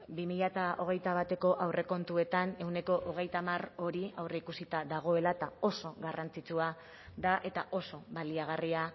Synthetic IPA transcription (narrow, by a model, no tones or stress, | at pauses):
bimiʎat̪aʔo̞ɣ̞e̞jt̪aβ̞at̪e̞ko̞ʔawrʔe̞ko̞nt̪ue̞t̪ane̞wne̞ko̞ʔoɣ̞e̞jt̪amaro̞ɾiawre̞ikusit̪aðaɣ̞o̞e̞lat̪ao̞so̞ɣarant͡sit͡sua | ðaʔe̞t̪aʔo̞so̞βaliaɣ̞aria